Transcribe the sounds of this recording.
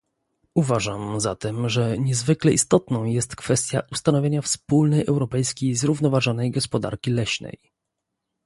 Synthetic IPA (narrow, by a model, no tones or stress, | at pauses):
uvaʐamzat̪ɛmʐɛɲɛzvɘklɛʔist̪ɔt̪nɔ̃w̃jɛst̪kfɛst̪ʲja̰ʔust̪anɔvʲjeɲafspulnɛjɛwɾɔpɛjskʲejzɾuvnɔvaʐɔnɛjɡɔspɔd̪a̰ɾkʲilɛɕnɛ̰j